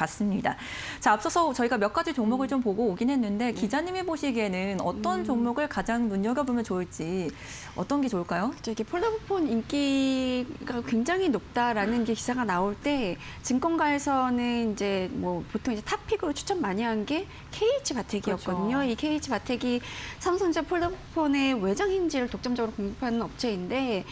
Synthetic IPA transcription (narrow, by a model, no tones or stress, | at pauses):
k͈as͈ɯmɲida | t͡ɕaːp̚s͈ʌsʰʌt͡ɕʌiɡamjʌk͈ad͡ʑit͡ɕoŋmuɡɯɭt͡ɕompoɡoːɡinɦe̞nːɯnde̞kid͡ʑaɲimeboɕʰiɡe̞nɯnʌt͈ʌnt͡ɕoŋmuɡɯɭkad͡ʑaŋnuɲʌɡapomjʌnt͡ɕoɯɭt͡ɕ͈i | ʌt͈ʌnɡe̞t͡ɕoɭk͈ajokɯ̥t͡ɕʰoiɡe̞pʰoɭːobupʰonink͈i | ɡakwe̞ŋd͡ʑaŋinop̚t͈aɾanɯniɡe̞ki̥sʰaɡanaoɭt͈e̞ | t͡ɕɯŋk͈ʌnɡwaesʰʌnɯnind͡ʑe̞mwʌpotʰoŋid͡ʑe̞tʰapʰiɡɯɾot͡ɕʰu̥t͡ɕʰʌmːaɲiɦanɡe̞ | kʰe̞it͡ɕʰɯpatʰe̞ɡijʌk̚k͈ʌdɯɲoikʰe̞it͡ɕʰɯpatʰe̞ɡisʰamsʰʌŋid͡ʑepʰoɭdʌpʰopʰone̞we̞d͡ʑaŋhind͡ʑiɾɯɭtok̚t͡ɕ͈ʌmd͡ʑʌɡɯɾokoŋɡupʰanɯnʌp̚t͡ɕʰe̞inde̞